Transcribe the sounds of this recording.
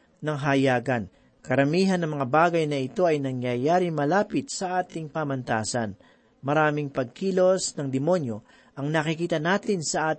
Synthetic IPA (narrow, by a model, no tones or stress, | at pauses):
nɐŋɦɐjaːɡɐn | kɐɾɐmiːɦɐnːɐŋmɐŋabaːɡɐjnɐɪt̪o̞ɐjnɐŋjɐjaːɾɪŋmɐlaːpɪt̪̚sɐʔaːt̪ɪŋpaːmɐnt̪a̰ːsɐn | mɐɾaːmɪŋpɐɡ̚kiːlo̞snɐŋd̪ɪmo̞njo̞ | ʔɐŋnɐkɪkiːt̪ɐnaːt̪ɪnsɐʔaːt̪